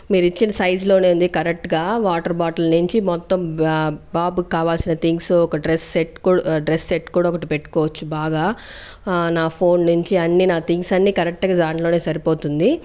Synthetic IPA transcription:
miːɾuit͡ʃːinɐsɐjd͡ʒlo̞ːne̞ːund̪ikɐɾek̚ʈɡaːʋaːʈɐɾbaːʈɐlnuɲt͡ʃimɔt̪ːɐmbaːbukaːʋaːlsinɐt̪ʰiŋɡsɔkɐɖɾesːeʈkuɖɾesːeʈkuːɽaːɔkɐʈipeʈːu̥koːʋɐt͡ʃːubaːɡaː | naːpʰo̞ːnːuɲt͡ʃiɐnːiːnaːt̪ʰiŋɡsɐnːiːkɐɾek̚ʈɐɡaːd̪aːɳʈlo̞ːne̞ːsɐɾipo̞ːt̪und̪i

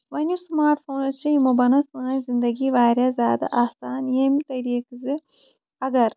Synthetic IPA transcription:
ʋɐnʲusmaːɾʈ̪foːnɐt͡ʃːɐimːɐbɐnɐsɨnɐjzind̪ɐɡiʋaːɾjaːzaːd̪ɐ̰ʔɐsaːnemt̪ɐɾijɐkɨzɨ | ɐɡɐɾ

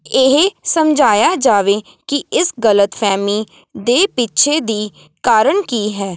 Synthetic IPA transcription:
ɪɦsəmd͡ʒaːjaːd͡ʒaːʋeː | kiɪsɡələt̪pʰɛːmiː | d̪eːpɪtːʃʰed̪iː | kaːɾəɳkiːɦɛː

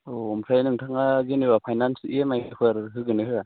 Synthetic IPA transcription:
ɔmʰajnɯŋtʰaŋazeniβapʰajnansḭemajkʰɯɾɦɯɡɯnɯhɯa

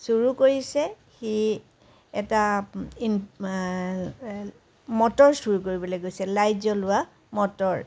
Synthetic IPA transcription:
suɹukoɹisɛ | xi | ɛtain | mɔtɔɹsuɹukoɹibɔlojɡojsɛlajzɔlʊwa | mɔtɔɹ

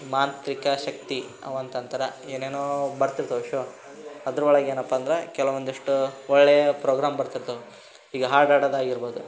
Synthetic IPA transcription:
maːnt̪ɾikɐʃɐk̚t̪i | ɐ̰ʋɐnt̪ɐnt̪ɐɾɐeːneːnoːbɐɾt̪iɾt̪ɐuʃo | ɐd̪ɾuɔɭɐɡeːnɐpːɐːnd̪ɐɾekɛlɐʋond̪ɐʂʈuɔɭːejɐpɾoːɡɾaːmbɐɾt̪iɾt̪uʋu | iːɡɐɦaːɾɖaːɖɐd̪aːɡiɾboːd̪u

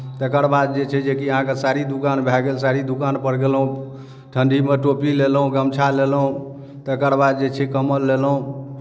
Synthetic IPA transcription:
t̪ekəɾbad̪̚d͡ʒet͡ʃʰɛd͡ʒekiəɦãkesaɾid̪ukanbʱɛɡelsaɾid̪ukanpəɽɡelɦũ | ʈʰəɳɖimeʈopilelɦũɡəmt͡ʃʰalelɦũ | t̪ekəɾbad̪̚d͡ʒet͡ʃʰɛkəməlːelɦũ

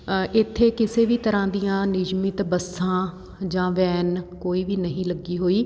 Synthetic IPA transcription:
ʔɪt̪ʰːeːkɪseːʋiːt̪əɾãːd̪ijãːnɪd͡ʒmɪt̪bəsãː | d͡ʒãːʋɛːnkoːiːʋiːnəɦĩːləɡːiːɦoːiː

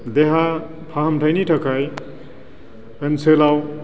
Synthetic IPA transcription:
d̪eɦa | pʰaɦɐmtʰajnitʰɐkʰaj | ənselaw

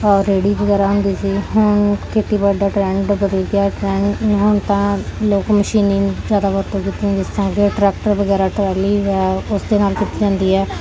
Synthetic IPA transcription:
ɔːɾːeːɽiːbəɡɛːɾaːɦʊnd̪iːsiːɦʊɳkeːʈiːbəɖaːʈɾɛ̃ːɳɖbəd̪əɡaːʈɾɛ̃ːɦʊɳt̪ãːloːkməʃiːnĩːd͡ʒjaːd̪aːbəɾt̪õːkiːt̪iːɛ̃ːd͡ʒɪssə̃ŋɡeːʈɾɛːk̚ʈəɾbəɡɛːɾaːʈəɾɛːliːɛːʊsd̪eːnaːlkit̪iːd͡ʒãːnd̪iːɦɛː

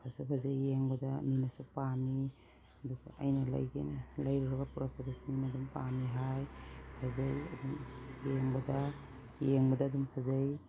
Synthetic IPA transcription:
pʰasupʰazajːeŋbɐdaminasupami | ɐdukʰaajnala̰jɡa̰jnelajɾiɾaɡapuɾapʰadasu̥minadumpamiɦajpʰazajɐ̰dumjeŋbɐda | jeŋbɐdaːdumpʰazaj

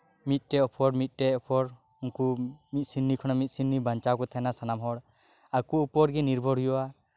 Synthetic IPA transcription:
mit̪̚ˀtɛɔpʰɔɾmit̪̚ˀʈɛɔpʰɔɾ | uŋkumit̪̚ˀsinːikʰɔnamit̪̚ˀsinːibant͡ʃaɡɔt̪ʰajnasanamɦɔɽ | akuupɔɾɡiniɾbʱɔɽɦujɔa

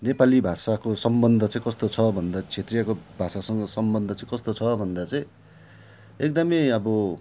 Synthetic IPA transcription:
nepalibʱasakosʌmbʌnd̪ʱʌt͡saĩkʌst̪ot͡sʰʌbʱʌnd̪at͡sʰet̪rijakobʱasasʌŋɡʌsʌmbʌnd̪ʱʌt͡saĩkʌst̪ot͡sʰʌbʱʌnd̪at͡saĩ | ek̚d̪ʌmʌjʌbʌ

